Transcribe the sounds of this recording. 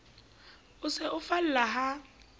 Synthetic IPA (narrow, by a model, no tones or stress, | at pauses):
ʊsɛʔʊfal̩laɦa